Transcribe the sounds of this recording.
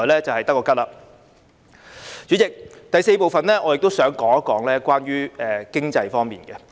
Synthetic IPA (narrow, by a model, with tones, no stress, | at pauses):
jlɛː˥t͡sɐ˨whɐ˨jt̪ɐ˥kːɔː˧kɐ˥laː˨ | t͡ʃyː˨˥t͡sɪ˨k̚t̪ɐ˨jse˧jpo˨wfɐ˨nlɛː˥ʔɔː˨˧jɪ˨k̚t̪wsœː˨˥ŋkɔː˨˥ŋɐ˦˥kɔː˨˥ŋlɛː˥kʷaː˥nɥyː˥ɛː˨˧kɪ˥ŋt͡sɐ˧jfɔː˥ŋmḭː˨˩nɡɛ˧